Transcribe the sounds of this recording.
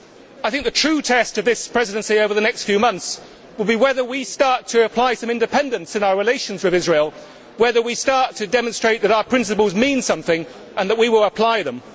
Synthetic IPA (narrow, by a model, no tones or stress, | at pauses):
aɪθɪ̃ŋk̚ðɨtʰɹ̥ʉtʰɛstʌvðɪspʰɹ̥ɛzɨɾɨ̃nsioʊvə˞ðɨnɛkstfjʉmʌ̃nθs | wəd̚ˠbiwɛðə˞wistɑɹtʰɨːpʰl̥aɪsʌ̃mɪ̃ndɨpʰɛ̃ndɨ̃nsɨ̃naʊə˞ɹɨleɪʃɨ̃n̩zwɨðɪzɹeɪlˠ | wɛðə˞wistɑɹtʰɨdɛmə̃nstɹ̥eɪt̪̚ðɨɾaʊə˞pʰɹ̥ɪ̃ns̬ɨpəl̩ˠzmĩnsʌ̃mθɪ̃ŋ | ʔə̃nðəʔ̚wiwɪlˠəpʰl̥aɪðə̃m